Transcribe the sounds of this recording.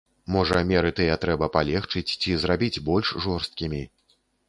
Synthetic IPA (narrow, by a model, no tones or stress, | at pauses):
mɔʐɐmʲɛɾɨt̪ɨjɐt̪ɾɛbɐpalʲɛxt͡ʂɨt͡sʲt͡sʲizrabʲid͡zʲbɔlʲʂʐɔrst̪̚kʲimʲi